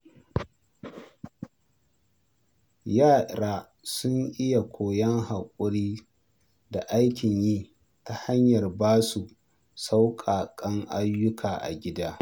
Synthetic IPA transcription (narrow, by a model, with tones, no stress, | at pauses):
jaː˦˨ɾaː˨ | sʊ˦ŋʔɪ˦ja˨kʷoː˨jɐ˦ŋɦa˨kʷʼʊ˦ɽiː˦ | da˨ʔa˦jkʲɪ˨ɲjiː˦ | ta˨ha˦ɲjɐ˨rbaː˦su˨ | sa˦wkʼaː˨kʼɐ˦ŋʔa˦jːʊ˦kʰaː˨ʔa̰˨ɡʲɪ˦daː˦